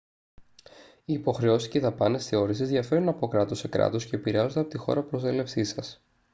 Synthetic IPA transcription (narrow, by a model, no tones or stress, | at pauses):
iːpo̞xɾe̞o̞sisceiðɐpɐne̞sθe̞o̞ɾisizðʝɐfe̞ɾunɐpo̞kɾɐt̪o̞se̞kɾɐ̰t̪o̞sce̞ːpiɾeɐzo̞nd̪ɐpot̪ixo̞̰ɾɐpɾo̞sele̞fsisɐs